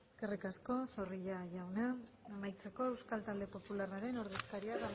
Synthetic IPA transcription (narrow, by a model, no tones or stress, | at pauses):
eeske̞rikasko̞so̞riʎaʝawnaːmajt͡se̞ko̞e̞wskalt̪ald̪e̞po̞pularaɾe̞no̞ɾðe̞skaɾiaða